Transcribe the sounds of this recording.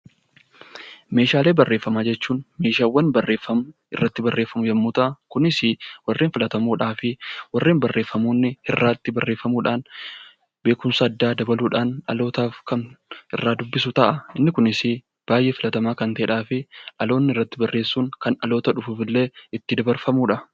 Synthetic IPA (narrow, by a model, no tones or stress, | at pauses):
me̞ːʃaːle̞ːbɐrːe̞ːfːɐmaːd͡ʒɛt͡ʃːuːnme̞ːʃaːwːɐnbɐrːe̞ːfːɐmʊ | ɪrːɐt̪ːɪbɐrːeːfːɐmʊd͡ʒɐmːuːt̪ɐʔɐkʊnɪsɪwɐrːeːnfɪlɐt̪ɐmuːᶑaːfɪwɐrːeːnbɐrːe̞ːfːɐmuːnːɪhɪrːaːt̪ːɪbɐrːe̞ːfːɐmuːᶑaːn | be̞ːkʊmsaːd̪ːaːd̪ɐbɐluːᶑaːnɐ̰lo̞ːt̪aːfkɐnɪ̰rːaːd̪ʊbːɪsʊt̪ɐʔɐɪnːɪkʊnɪsɪ | b̥aːjʔe̞ːfɪlɐt̪ɐmaːkɐnt̪ɐᶑaːfɪʔɐlo̞ːnːɪɪrːɐt̪ːɪbɐrːeːsːuːŋkɐnɐ̰lo̞ːt̪ɐᶑʊfuːfɪlːe̞ːɪt̪ːɪd̪ɐbɐɾfɐmuːᶑɐ